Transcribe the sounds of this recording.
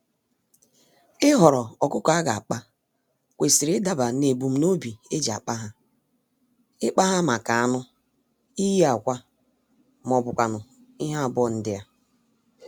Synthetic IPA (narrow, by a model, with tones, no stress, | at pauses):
ɪ˦ɦɔ˨ɾɔ˨ɔ˨kʊ˦kɔ˨a˦ɡa˨a˨k͡pa˦ | kʷe˨si˨ɾɪ˦da˨ba˨ne˨bu˨m̩˦no˦bi˨e˦d͡ʒa̰˨k͡pa˦ɦa˦ | ɪ˦k͡pa˦ɦa˦ma˨ka˨a˦nʊ˦ | i˦ji˦a˨kʷa˦ | m˨ɔ˨bʊ˨kʷa˨nʊ˨ | i˦ɦa˦a˨bɔ˦˨n̩˦dɪ˦ja˦